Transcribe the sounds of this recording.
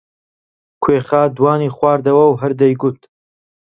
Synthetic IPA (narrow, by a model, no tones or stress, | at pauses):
kʰweːχaːd̪waːniːχwaːɾd̪ɐwɐwɦɨɾd̪ɐjɡʊt̪